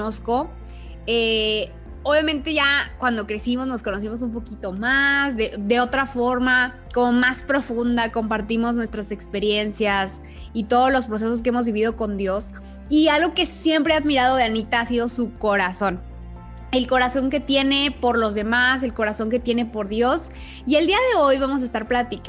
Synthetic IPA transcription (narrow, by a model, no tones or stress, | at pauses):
osko̞ | e | oβjamẽnt̪e̞ʝakwand̪o̞kɾe̞simo̞zno̞sko̞no̞s̬imo̞s̬umpo̞kit̪omazðed̪e̞o̞t̪ɾafo̞ɾma | ko̞mo̞maspɾo̞fũnd̪ako̞mpaɾt̪imo̞znwe̞st̪ɾase̞kspe̞ɾje̞nsjas | it̪o̞ð̞ozlo̞spɾo̞s̬es̬o̞s̬keemo̞zβiβið̞o̞ko̞nd̪jo̞s | ialɣo̞ke̞sje̞mpɾe̞aðmiɾaðo̞ðeanit̪aasiðo̞suko̞ɾaso̞n | e̞lko̞ɾaso̞ŋke̞t̪je̞ne̞po̞ɾlo̞zðe̞mas̬e̞lko̞ɾaso̞ŋke̞t̪je̞ne̞po̞ɾðjo̞s | ie̞ld̪iaðe̞ojβamo̞s̬aest̪aɾplat̪ik